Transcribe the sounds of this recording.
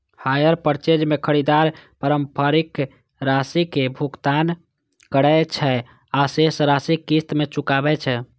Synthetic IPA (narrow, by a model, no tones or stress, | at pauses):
hajəɾpəɾt͡ʃed͡ʒmekʰəɾid̪aɾpəɾəmpʰəɾik | ɾasikebʱukt̪an | kəɽɛt͡ʃʰɛ | asesɾasikːist̪met͡ʃukabɛt͡ʃʰɛ